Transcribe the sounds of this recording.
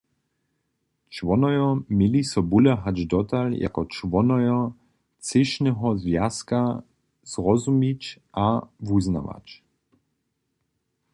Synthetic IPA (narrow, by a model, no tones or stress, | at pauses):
t͡ʃʋɔnɔjɔmilisɔbulɛɦad͡ʒd̪ɔt̪alja̰kɔt͡ʃʋɔnɔjɔ | t͡sɪʃnɛɦɔzvjaska | z̥ʁɔzumicʔavuzna̰ʋa̰t͡ɕ